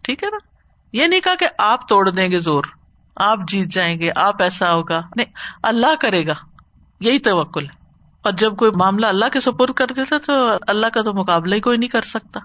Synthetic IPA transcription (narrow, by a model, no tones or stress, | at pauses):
ʈʰiːkɦɛnaː | jenɐɦĩkakeʔaːp̚t̪oːɽd̪ẽːɡezoːɾ | aːpd͡ʒiːt̪̚d͡ʒaːẽːŋɡeʔaːpɛːsaɦoːɡaːnɐĩɐlːaɦkɐɾeːɡaː | jɐɦit̪ɐʋəkːʊlɦɛː | ɔːɾd͡ʒɐb̚koːimaːmlaɐlːaɦkesɐpoːɾt̪̚kɐɾd̪eːt̪at̪oɐlːaɦkat̪omʊkaːblaɦikoːinɐɦĩkɐɾsɐk̚t̪aː